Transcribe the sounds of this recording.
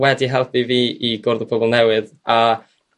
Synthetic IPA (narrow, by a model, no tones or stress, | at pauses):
wɛdiɦɛlˠpiviːʔiɡʊɾðəpʰɔbɔlˠnɛwɨð | a